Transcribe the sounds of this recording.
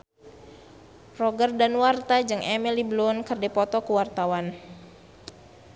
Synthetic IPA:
rɔɡərdanwart̪ad͡ʒɨŋʔɛmiliblɔnkərdepɔt̪ɔkuwart̪awan

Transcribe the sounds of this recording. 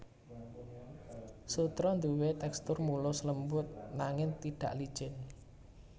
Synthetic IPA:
sut̪ɾɔnd̪uwet̪ɛkst̪ʊrmulʊsləmbʊt̪̚naŋɪnt̪iɖ̥ä̤̰ʔlid̥ʒ̥ɪn

